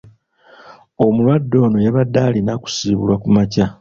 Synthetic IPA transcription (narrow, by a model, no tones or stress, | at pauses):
o̞mulwadːo̞ːno̞jaβadːaːlinaku̥siːβulwakumaca